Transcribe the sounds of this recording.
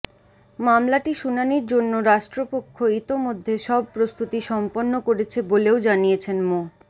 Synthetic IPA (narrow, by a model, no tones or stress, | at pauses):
mamlaʈiʃunaniɾd͡ʑonːoɾaʃʈɾopokʰːoit̪omod̪ʱːeʃɔb̚pɾost̪ut̪iʃɔmponːokoɾet͡ɕʰeboleod͡ʑanijet͡ɕʰenmo